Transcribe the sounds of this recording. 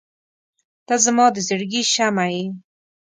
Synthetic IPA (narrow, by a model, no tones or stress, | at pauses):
t̪azəmɑd̪əzəɾɡiʃamaji